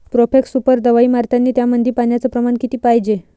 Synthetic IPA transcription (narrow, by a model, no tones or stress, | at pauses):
pɾofeksupəɾd̪əʋaiːmaɾt̪anːiːt̪jamənd̪ʱiːpaɳjat͡səpɾəmaɳkit̪iːpajd͡ʑe